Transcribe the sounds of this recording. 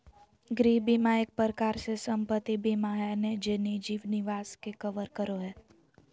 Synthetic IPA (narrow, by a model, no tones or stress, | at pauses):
ɡɾiːbimaːjek̚pəɾəkaːɾsesə̃mpət̪ːibʱimaːɦaned͡ʒenid͡ʒiːʋnɪʋaːskekəʋəɾkəɾoɦɛː